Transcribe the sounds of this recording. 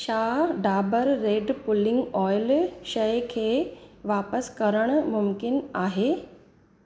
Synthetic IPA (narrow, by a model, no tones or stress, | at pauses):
ʃaɖabəɾːeɖpʊlɪŋɡɔjlʃəjkʰeʋapəskəɾəɽ̃mʊmkɪnaɦe